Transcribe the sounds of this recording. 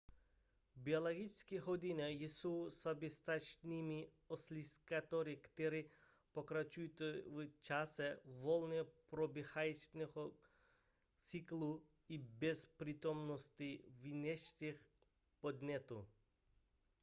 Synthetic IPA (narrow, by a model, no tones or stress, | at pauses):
biolˠaɡit͡ʃskiɦɔd̪inʲɛjisowsabʲɛst̪at͡ʃnʲimi | ɔslʲiskat̪ɔɾikt̪ɛɾi | pɔkɾat͡ʃujt̪ɔʋt͡ʃasɛʋɔlˠnʲɛpɾɔbʲɛxajt͡ʃnɛɦɔ | t̪t͡s̪iklu | ibɛspɾit̪ɔmnɔst̪ʲiʋinʲɛʃsʲix | pɔd̪nʲɛt̪u